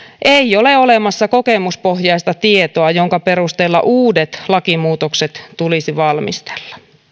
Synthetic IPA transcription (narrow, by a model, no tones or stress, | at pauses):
ʔeioleolemɑsːɑko̞kemuspohjɑist̪ɑt̪iet̪oɑjoŋkɑpeɾust̪eːlːɑ̰ʔuːdet̪lɑkimuːt̪okset̪t̪ulisiʋɑlmḭst̪e̥lːɑ̥